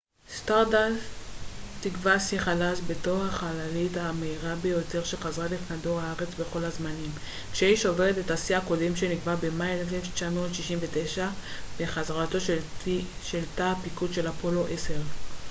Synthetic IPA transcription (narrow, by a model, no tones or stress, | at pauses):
staʁda | tiɡvasiχalaʃbe̞to̞χhaχalalithameiʁabejo̞te̞ʁʃelχazʁalifnado̞ʁaaʁet͡sbe̞χo̞lhazmanim | kʃeiʃo̞veʁetetasiako̞demʃeniɡvabemajelefeleft͡ʃamo̞tʃiʃimve̞tejʃabeχazʁato̞ʃ | ʃeltapikudʃe̞lapo̞lo̞ʔese̞ʁ